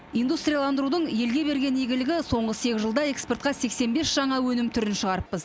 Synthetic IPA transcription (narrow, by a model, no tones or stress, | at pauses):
ijnd̪ust̪rʲijalˠɑnd̪əɾud̪əɴje̞lɡʲe̞be̞ɾɡʲe̞njeɡʲɪlɪɡʲɪso̞ɴʁəse̞kʲɪzʒəlˠd̪ɑe̞kspe̞rt̪qɑse̞kse̞nbe̞sʒ̥ɑɴɑwɵnɪmt̪ʰʏɾɪnʃəʁɑɾəpːəz